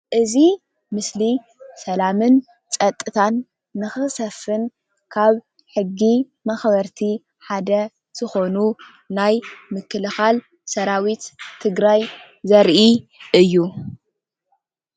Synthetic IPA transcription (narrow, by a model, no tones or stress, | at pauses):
ʔɨzi | mɨsli | sɐlamɨn | t͡sʼɐt̪ʼːɨt̪ʰanː | ɨxɨsɐfːɨn | kʰaβ | ħɨɡːi | mɐxβɐɾt̪ʰi | ħad̪ɐ | z̥ɨxo̞nu | najmɨkʰːɨlɨxal | sɐɾawit̪t̪ʰɨɡɾaj | zɐɾʔiʔɨjːu